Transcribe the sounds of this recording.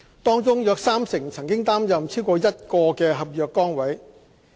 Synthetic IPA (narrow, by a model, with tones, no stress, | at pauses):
t̪ɔː˥ŋt͡sʊ˥ŋjœː˧k̚saː˥msɪ˨˩ŋt͡sʰɐ˨˩ŋkɪ˥ŋt̪aː˥mjɐ˨mt͡sʰiː˥wkɔː˧jɐ˥t̚kɔː˧kɛː˧ɦɐ˨p̚jœː˨˧kːɔː˥ŋwɐ˨˥j